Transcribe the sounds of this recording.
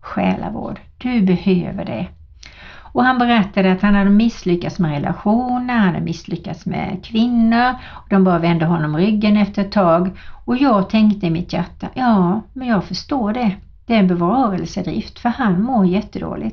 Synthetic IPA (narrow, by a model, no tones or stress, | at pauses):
ɧɛ̰ːla̰vo̰ːɖd̪̥ɵbɛhøːvə̰ɖɛ̰ | ɔhanbɛɾɛt̪ːad̪əat̪hanhad̪ːəmɪsːlʏkːat̪smɛɾɛlʔa̰ɧuːnəɾhand̪a̰mɪslʏkːat̪smɛ̰kʰvɪnːʊɾɔd̪ɔmbɑːɾavɛnd̪əɦɔnːɔmɾʏɡːənɛft̪əɾɛt̪ʰːɑːɡɔjɑːɡt̪ʰɛŋkt̪əɪmɪt̪jæʈːajɑːmɛnjɑːɡfœʂtoːɖɛ | d̪̥ɛæːɾɛnbɛvɑːɾəlsəd̪ɾɪ̰ft̪fœɾhanmoːɾjɛt̪ʰːəd̪o̰ːlɪ̰ɡt̪